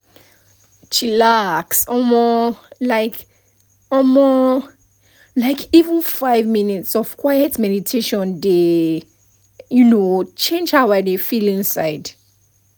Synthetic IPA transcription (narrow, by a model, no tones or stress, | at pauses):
ʃilaksɔmɔlaɪk | ɔlmɔ | laɪkʰivə̃nfaɪvminitsɔv̥kʰwajɛtmɛditʰeʃɔ̃nde | junot͡ʃẽnd͡ʒhabaɪdefilĩŋsaɪd